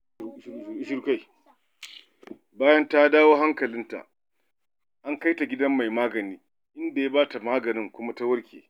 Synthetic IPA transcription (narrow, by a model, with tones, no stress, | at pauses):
ɪ˦ʃʊ˦ɾka˦j | baː˦jɐ˦nta˦daː˦woː˦ɦa˦ŋkɐ˨lɪ˦nta̰˨ʔ | ʔa˦ŋka˦jta˨ɡʲɪ˦dɐ˦mːa˨jmaː˦ɡɐ˨niː˦ | ʔɪ˦nda˨ja˦baː˦ta˨maː˦ɡɐ˨nɪ˦ŋkʷʊ˦ma˦ta˦wɐ˦ɽkʲḛː˨